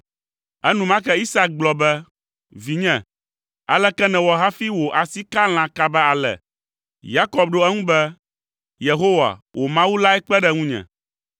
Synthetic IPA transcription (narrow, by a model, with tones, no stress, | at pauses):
ɛ˦nũ˦mã˦kɛ˦i˦sa˦k̚ɡ͡blɔ˨bɛ˦ | vi˨ɲɛ̃˨ | a˨lɛ˦kɛ˦nɛ̃˨wɔ˨ɦa˦fi˦wo˨ʔa˨si˦ka˦l̃ã˨ka˦bɛ˦a˨lɛ̰˨ | ja˦kɔ˦b̚ɖo˦ɛ˦ŋũ˦bɛ˦ | je˨ɦo˦wa̰˨wʔo˨mã˦wu˦la˦ɛ˦k͡pɛ˦ɖɛ˦ŋũ˦ɲɛ̰̃˨